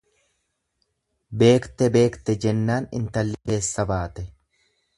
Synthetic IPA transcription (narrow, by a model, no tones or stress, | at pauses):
be̞ːkt̪ɛbe̞ːkt̪ɛd͡ʒɛnːaːnɪ̰nt̪ɐlːɪke̞ːsːɐbaːt̪ɛ